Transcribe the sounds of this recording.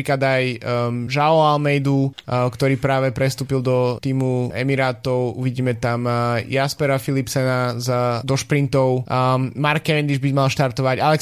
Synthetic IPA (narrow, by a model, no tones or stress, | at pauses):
iklad̪ajʒaɔalmɛjd̪ukt̪ɔɾiːpɾaːʋɛpɾɛst̪uːpild̪ɔt̪iːmuɛ̰miɾaːt̪ɔʊṵʋiɟiːmɛt̪amjaspɛɾafilipsɛnazd̪ɔʃpɾint̪ɔʊmaɾkɛɛnd̪iʒbimalʃt̪aɾt̪ɔʋaɟalɛ